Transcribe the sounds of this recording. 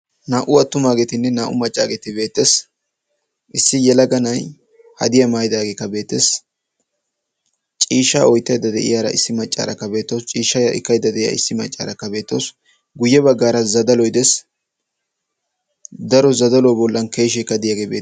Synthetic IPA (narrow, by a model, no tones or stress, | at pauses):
naːʔʊɐt̪ːʊmaːɡet̪ɪnːɛnaːʔʊmɐt͡ʃʼːa̰ːɡet̪ɪbe̞ːt̪ːes | ʔɪsːɪjɛlɐɡɐnɐj | hɐ̰d̪ɪjɐmaːjd̪aːɡeːkːɐbe̞ːt̪ːes | t͡ʃʼiːʃːa̰ːʔɔjt̪ːɐjd̪ːɐd̪ɛ̰ʔɪ̰jaːɾɐ̰ɪsːɪmɐt͡ʃʼːa̰ːɾɐkːɐbe̞ːt̪ːɐwst͡ʃʼiːʃːɐjaʔɪ̰kːɐjd̪ːɐd̪ɛʔɪja̰ɪsːɪmɐ̰t͡ʃʼːa̰ːɾɐkːɐbe̞ːt̪ːɐws | ɡʊjːɛbɐɡːaːɾɐzɐd̪ɐlɔjd̪ɛs | d̪ɐɾɔzɐd̪ɐlɔbɔlːɐnke̞ːʃ̬ːɛkːɐd̪ɪjaːɡeːbḛː